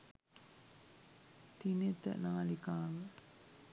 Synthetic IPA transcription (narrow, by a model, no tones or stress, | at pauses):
t̪inet̪ə̰naːlikaːʋə